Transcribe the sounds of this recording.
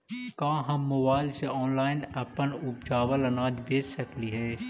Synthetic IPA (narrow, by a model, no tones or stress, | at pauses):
kãːɦɐmːobaːɪlseɔːnlaːɪnɐpənʊp̚d͡ʒaːʋəlɐnaːd͡ʒbeːd͡ʒsɐkliɦɛː